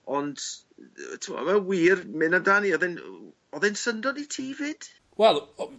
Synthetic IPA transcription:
ɔnd̥ | tʰɪmɔ̰mawiːrmɪnadaniɔðɛn | ɔðɛnsəndɔditʰiːvɨd̥ | wɛlˠ

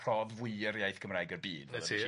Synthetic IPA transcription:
pʰr̥ɔːðvwiːəɾjajθɡ̥əmrajɡərbiːdɛ

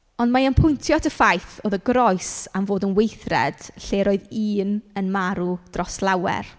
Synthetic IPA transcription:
ɔndmaənpʰʊjntʰjɔtʰəfajθoːðəɡrɔjsamvoːdənwejθrɛ̰d̥ɬeːɾoːɨðiːnənmaɾud̥rɔslˠawɛ̰r

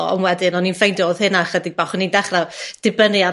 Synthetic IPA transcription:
ɔɔ̰mwɛdɪnɔnːinfejndɔð̥hɨnaχədɪɡ̚baχənindɛχrad̥ɪbənɨa

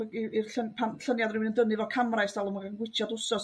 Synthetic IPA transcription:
iirɬənpʰanɬənjadrɪmɪnəndənɨvɔkʰamrajsd̥alˠəmaɡanɡwɪtʰjadʊsɔs

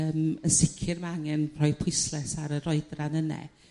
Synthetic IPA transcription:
əːmənsɪkʰɪrmaaŋɛnpʰr̥ɔjpʰʊɨslɛsaɾəɾɔɨdranənɛ̰

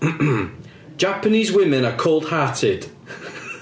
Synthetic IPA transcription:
m̩̥ | ʒ̥apəniːzwɪmɪ̃nəkʰɔːlˠd̥haˑtʰɪd̥

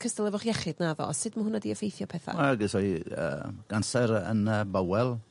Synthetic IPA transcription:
kʰəstɛlˠɛvʊχjɛχɪdnaðɔ̰ɔsɨdməʊnadiəfejθjɔpʰɛθa̰ɛɡɪsɔjə̰ːɡ̥ansɛɾə̰nəbawɛlˠ

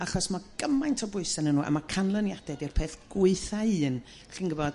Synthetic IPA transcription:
aχɔsmaɡ̥əmajntʰɔbʊɨsanənːuːʔa̰makʰanlˠənjadɛdirpʰeːθɡ̥ʊɨθaɨːn | ɬiːnɡəvɔd̥

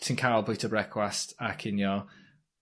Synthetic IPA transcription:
sʰinkʰaːlˠbɪjtʰəbɹɛkʰwastakʰɪnjɔ

